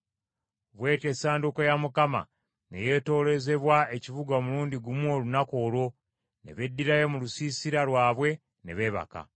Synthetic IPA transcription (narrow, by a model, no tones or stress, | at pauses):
βwe̞ːtesaːndukojamukama̰ | ne̞̰je̞ːto̞ːle̞ze̞βwae̞civuɡaomuluːnɟiɡumwo̞lunako̞ːlwo̞ | ne̞̰βe̞dːiɾaje̞mulusisiɾalwaːβwe̞ | ne̞βe̞ːβa̰ka̰